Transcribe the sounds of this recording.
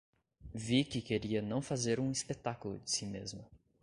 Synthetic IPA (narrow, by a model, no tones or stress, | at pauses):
vikɪkeɾiɐnɐ̃w̃fazeɾũispet̪akʊlʊ̰d͡ʒɪsimezmʊ